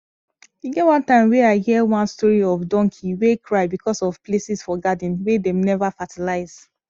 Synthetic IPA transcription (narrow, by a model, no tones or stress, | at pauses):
iɡɛtwãntãɪ̃mweaɪhiɛwãnstɔɹiɔvdɔ̃ŋkʰiwekʰɹaɪbikʰɔsɔv̥plesisfɔɡadĩnwedemnɛvafatʰilaɪz̥